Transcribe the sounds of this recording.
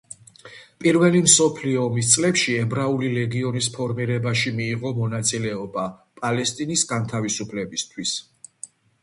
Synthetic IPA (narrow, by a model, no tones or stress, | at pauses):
pʼiɾvɛlimsɔpʰliɔːmist̪sʼlɛpʃiɛbɾaulilɛɡiɔnispʰɔɾmiɾɛbaʃimiːʁɔmɔnat̪sʼilɛɔbapʼalɛst̪ʼinisɡant̪ʰavisupʰlɛbist̪ʰwis